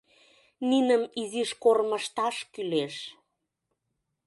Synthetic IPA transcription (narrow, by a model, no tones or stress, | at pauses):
ninəmiziʃkorməʃt̪ɑʃkyleʃ